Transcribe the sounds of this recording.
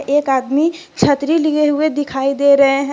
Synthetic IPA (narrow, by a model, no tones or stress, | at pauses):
ʔeːkaːd̪mi | t͡ʃʰət̪ɾilieɦʊed̪ɪkʰaːid̪eːɾɐɦeɦɛ̃